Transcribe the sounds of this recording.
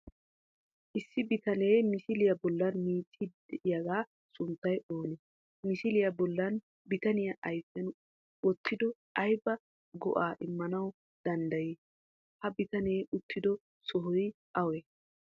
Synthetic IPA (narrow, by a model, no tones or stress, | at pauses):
ʔɪsːɪbɪt̪ɐneːmɪsɪlɪjɐbɔlːɐnmiːt͡sʼːid̪ɛʔɪjɐɡaː | sʊnt̪ːɐjʔo̞ːnɛ | mɪsɪlɪjɐbɔlːɐn | bɪt̪ɐnɪjɐʔɐjfɛn | ɔt̪ːɪd̪ɔʔɐjbɐ | ɡɔ̰ʔaːʔɪmːɐnɐw | d̪̥ɐnd̪ɐji | hɐbɪt̪ɐneːʔʊt̪ːɪd̪ɔ | sɔɦɔj | ʔɐwe